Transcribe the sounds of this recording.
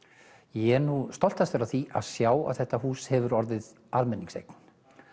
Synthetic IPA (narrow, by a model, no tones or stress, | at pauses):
jɛɛɾnust̪ɔl̥t̪asɛːɾaθiʔa̰ðsjaːwa̰ðθɛht̪ahuːshɛvʏɾɔɾðɪð | almɛnːiŋsḛjkn̥